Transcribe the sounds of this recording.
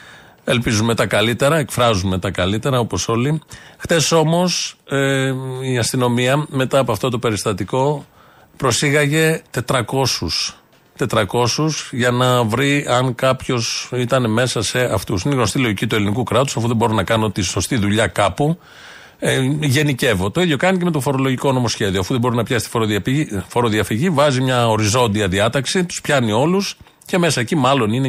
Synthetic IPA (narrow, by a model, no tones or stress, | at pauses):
e̞lpizume̞t̪ɐkɐlit̪e̞ɾɐe̞kfɾɐzume̞t̪ɐkɐlit̪e̞ɾɐo̞po̞so̞lixt̪e̞so̞mo̞s | iɐst̪ino̞miɐme̞t̪ɐːpoɐft̪o̞t̪o̞pe̞ɾist̪ɐt̪iko̞ | pɾo̞siɣɐʝe̞t̪e̞t̪ɾɐko̞sus | t̪e̞t̪ɾɐko̞susʝɐnɐvɾiɐŋkɐpço̞sit̪ɐneme̞sɐse̞ɐft̪usineiɣno̞st̪ilo̞ʝicit̪ue̞linikukɾɐt̪u̥sɐfuðeboɾonɐkɐnot̪iso̞st̪iðuʎɐkɐpu | ʝe̞nice̞vo̞t̪o̞iðjo̞kɐnicemet̪o̞fo̞ɾo̞lo̞ʝiko̞no̞mo̞sçe̞ðioɐfuðe̞bo̞ɾinɐpçɐsit̪foɾofoɾo̞ðiɐfiʝivɐzimɲɐo̞ɾizo̞nd̪iɐðiɐt̪ɐksit̪u̥spçɐnio̞lus | ce̞me̞sɐecimɐlo̞nine